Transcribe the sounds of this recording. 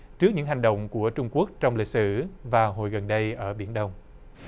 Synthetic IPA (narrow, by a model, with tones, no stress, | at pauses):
t͡ɕɨ˦˥k̚ɲɨ̰˧˥ŋɦa˨˩ŋ̟ɗə̰˧˨wŋ͡mku˧˩ət͡ɕʊ˧ŋ͡mku˦˥ək̚t͡ɕɔ˧wŋ͡mli˨˩t̚sɨ̰˧˩vaː˨˩ɦo̰˨jɣə˨˩nɗə˧jʔəː˧˩ɓi˧˩ənɗə˧wŋ͡m